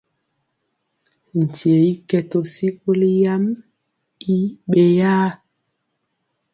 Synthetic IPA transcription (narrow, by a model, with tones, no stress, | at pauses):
n̩˨ti˨e˨i˦kɛ˨to˨si˦ko˦li˦ja˦m | i˦ɓe˨jaː˦